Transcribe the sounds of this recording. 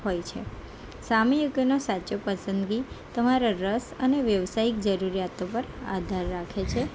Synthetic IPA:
ɦojt͡ʃʰe | samijuɡnosat͡ʃopəsənd̪ɡi | t̪əmaɾaɾəsəneʋjəʋsaik̚d͡ʒəɾuɾijat̪opəɾa̰d̪ʱaɾːakʰet͡ʃʰe

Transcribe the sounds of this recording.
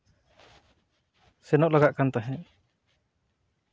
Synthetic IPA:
sɛnɔʔlaɡaʔkant̪aɦɛ̃

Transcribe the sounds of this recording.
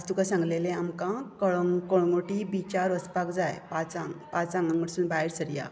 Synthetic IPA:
st̪ukãsãŋɡlelẽamkãkəɭŋkoɭɡoʈibit͡ɕaɾəspakd͡zajpat͡saŋpat͡sãŋɡãŋɡəɽsuːnbaɦiɾsəɾja̰

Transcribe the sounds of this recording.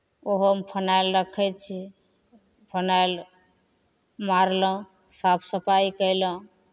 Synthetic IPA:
oɦmpʰənajlɾəkʰɛt̪̚t͡ʃʰi | pʰənajl | maɾlə̃ | sapʰsəpaikəjlə̃

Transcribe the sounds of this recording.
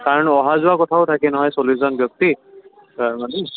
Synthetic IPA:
kaɹɔnɔɦazʊwakɔtʰaʊtʰakɛnɔɦɔjsoliszɔnbjɔk̚t̪i | mane

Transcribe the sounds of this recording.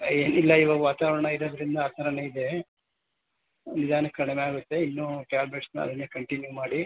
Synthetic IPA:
eːnilːɐiʋaːɡɐʋaːt̪aːʋɐɾɐɳɐiɾoːd̪ɐɾind̪ɐaːt̪ʰɐɾɐɳeid̪e̞ | nid̪aːnɐkːɐɽɛmeaːɡut̪ːe̞inːuːʈjaːɾbɾeʈsnɐ̰ɐ̰d̪ɐnːekɐɳʈinjumaːɽi

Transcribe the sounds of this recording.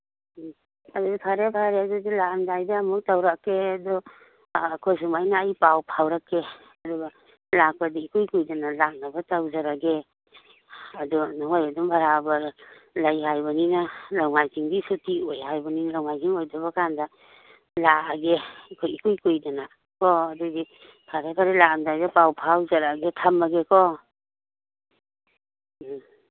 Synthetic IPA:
ɐduɡakʰaɾebʰaɾeadudilandajdaːmuk̚tawɾakːeadɔː | kʰojs̬umajnaːjpawpʰawɾakːe | ɐduɡa | lak̚padiikujkujdanalak̚nabatawzaɾaɡe | ɐdunaŋajadumbaɾabɐɾlajhajbaninalawmajkiŋbisutiojɦajbaninalawmajkiŋojdaβakanda | laaɡekʰikujkujdana | kɔːduɡi | pʰaɾepʰaɾelakandajbapawpʰawzaɾaɡetʰamːaɡekɔ

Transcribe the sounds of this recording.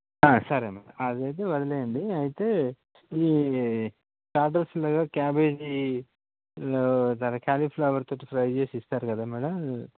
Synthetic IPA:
aːsɐɾemɛːɽɐ̰ɐd̪ɐjt̪̬eːʋɐɾɐleːjɐnd̪iɐjit̪e̞ː | iː | t͡ʃaːɖɐɾslɐɡaːkjaːbeːd͡ʒ | ot̪ɐlɐkaːliːpʰloɐʋɐɾt̪oːʈipʰɾɐjt͡ʃe̞ːsist̪aːɾukɐd̪aːmɛːɽɐ

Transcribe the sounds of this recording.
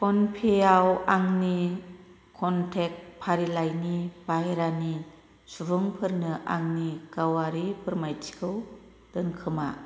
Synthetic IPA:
pɔnpʰeawaŋni | kʰɔntʰek̚pʰaɾilajnib̥ajɾani | subɯŋpʰɯɾnɯʔa̰ŋniɡ̥awaɾipʰɯɾmajtʰi̥kʰɯw | d̥ɯnkʰɯma

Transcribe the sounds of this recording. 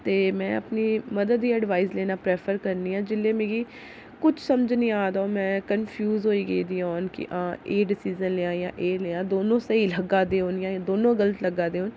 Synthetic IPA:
t̪eːmɛ̃ːəpniːməd̪əd̪ːiːɛɖʋaːɪzleːnaːpɾeːpʰəɾkəɾniːãːd͡ʒɪlːeːmẽːɡiː | kʊt͡ʃʰsəmd͡ʒnĩːaːd̪aoːmɛ̃ːkənpʰjuːzɦoːiːɡəiːd̪iːɦɔːnkɪ̰ʔãːeːɖɪsiːzənleãːjãːʔeːleːãːd̪oːnõːsəiːləɡaːd̪eːɦoːnjãːd̪oːnõːɡələt̪ləɡaːd̪eːɦoːn

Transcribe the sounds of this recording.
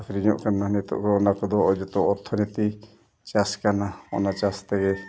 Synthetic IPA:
akɾiɲɔʔkanːaɦnɛt̪ɔ̰ʔkɔːnakɔd̪ɔɔd͡ʒɔt̪ɔɔɾt̪ʰːɔnit̪i | t͡ʃaskanaɔ̰nat͡ʃast̪ɛɡɛ

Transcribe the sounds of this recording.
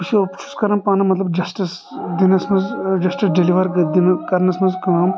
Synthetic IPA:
piʃiɐpʃu̥skɐɾɐmpaːnɐmɐt̪lɐbd͡ʒɐsʈɐs | d̪inɐsmɐzd͡ʒɐsʈisɖeliʋɐɾɡɐd̪inɐkɐɾnɐsmɐzkɐm

